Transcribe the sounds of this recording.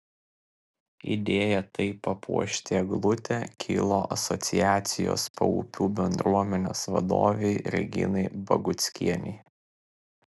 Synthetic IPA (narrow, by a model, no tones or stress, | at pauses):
ḭd̪ʲeːjɛt̪ɐɪpɐpʰṵɔʃʲt̪ʲeːɡlˠʊt̪ʲɛkʲʰḭːlˠoːʔɐsɔt̪sʲɪjæːt̪sʲɪjo̰ːspɐ̰ṵpʲuːbʲɛnd̪ɾuɔmʲɛnʲo̰ːsʋɐ̰d̪o̰ːʋʲeɪɾʲɛ̰ɡʲɪ̰nɐɪbɐ̰ɡʊt̪sʲkʲḭɛnʲɛɪ